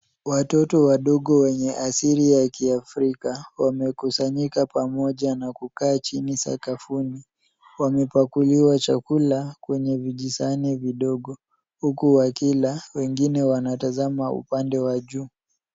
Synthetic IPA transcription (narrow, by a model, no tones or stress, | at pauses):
watɔtɔwaɗɔɠɔwɛɲɛʔasiɾijakiafɾikawamɛkusaɲikapamɔʄanakukaːt͡ʃinisa̰kafuni | wamɛpakuliwat͡ʃakulakwɛɲɛviʄisaniviɗɔɠɔ | hukuwakilawɛŋɡinɛwanatazamaṵpandɛwaʄuː